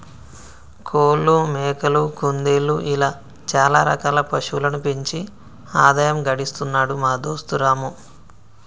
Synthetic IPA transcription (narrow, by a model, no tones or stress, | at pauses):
kʰoːlːumɛːkɐlukund̪eːluʔilaː | t͡ʃaːlaːɾɐ̰kaːlɐpɐʃulɐnupiɲt͡ʃi | aːd̪aːjɐmɡɐɽist̪unːaːɽumaːd̪o̞ːst̪uɾaːmu